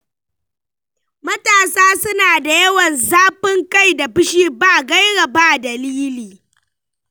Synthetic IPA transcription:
mɐ˦taː˨saː˦sʊ˦naː˨da˨jɐ˦wɐ˨nzaː˦ɸɪ˦ŋka˦˨jda˨bɪ˦ʃiː˦baː˦˨ɡa˦jɽɐ˨baː˦dɐ˨liː˦liː˨

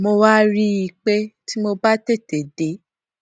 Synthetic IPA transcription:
mo˧wa˦ɾi˦i˧k͡pe˦ti˦mo˧ba˦te˦˨te˨de˨˦

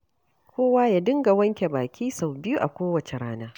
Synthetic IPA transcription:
kʷoː˦waː˦ja˨dɪ˦ŋɡa˨wɐ˦ŋkʲe˨baː˨kʲʰiː˦sa˨wbɪ˦ju˦ʔa̰˨kʷoː˦wɐ˨t͡ʃe˨ɾaː˦naː˦

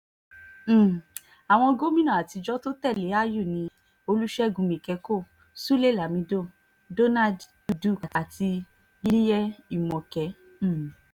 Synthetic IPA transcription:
a˨w̃ɔ̃˧ɡo˦mĩ˦nã˦˨a˨ti˧d͡ʒɔ˦to˦tɛ˦˨le˨˦a˦ju˦˨nĩ˧ | o˧lu˦ʃɛ˦ɡũ˨˧mĩ˨kɛ˧ko˦˨ | su˦le˦˨la˨mĩ˧do˦˨ | do˦na˦d | u˧du˦˨ka˨ti˧ | lli˦jɛ˦i˦˨mɔ̃˨kɛ˨˦˨

